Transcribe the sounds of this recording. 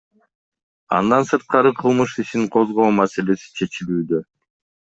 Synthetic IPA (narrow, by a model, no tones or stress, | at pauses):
ɑ̰nd̪ɑnsɯɾt̪̚qɑɾɯqʰɯlˠmɯʃiʃiŋqʰo̞zʁo̞ːmase̞le̞si̥t͡ʃʰe̞t͡ʃilyːd̪ø